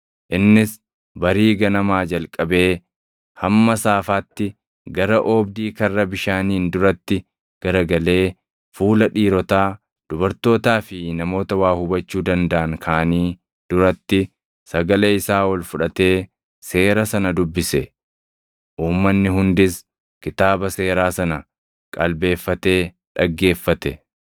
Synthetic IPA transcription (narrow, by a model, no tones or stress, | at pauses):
ʔɪnːɪs | bɐɾiːɡɐnɐmaːd͡ʒɐlkʼɐbe̞ː | hɐmːɐsaːfaːt̪ːɪ | ɡɐɾɐʔɔːbd̪iːkɐrːɐbɪʃaːniːnd̪ʊɾɐt̪ːɪ | ɡ̥ɐɾɐɡɐle̞ː | fuːlɐᶑiːɾɔt̪aː | d̪̥ʊbɐɾt̪o̞ːt̪aːfɪnɐmo̞ːt̪ɐwaːhʊbɐt͡ʃːuːd̪ɐnd̪ɐʔɐŋkʰaːniː | d̪̥ʊɾɐt̪ːɪ | sɐɡɐleɪsaːwɐlfʊᶑɐt̪e̞ː | se̞ːɾɐsɐnɐd̪ʊbːɪsɛ | ʔuːmːɐnːɪɦʊnd̪ɪs | kɪt̪aːbɐse̞ːɾaːsɐnɐ | kʼɐlbe̞ːfːɐt̪e̞ː | ᶑɐɡːe̞ːfːɐt̪ɛ